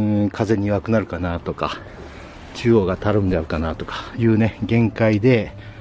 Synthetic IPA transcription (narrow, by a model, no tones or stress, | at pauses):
kʰaze̞ɲ̟iβakɯ̟naɾɯ̟kanat̪o̞ka | t͡ɕɨːoːɡat̪aɾɯ̃nd̪eaɯ̟kanat̪o̞kḁjɯ̟ːne̞ɡẽ̞ŋkaid̪e̞